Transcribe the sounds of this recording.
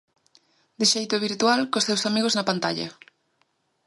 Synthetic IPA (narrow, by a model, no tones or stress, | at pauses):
d̪eʃejt̪oβ̞iɾt̪ualkost̪ewsamiɣ̞oznɐpant̪aʎɐ̰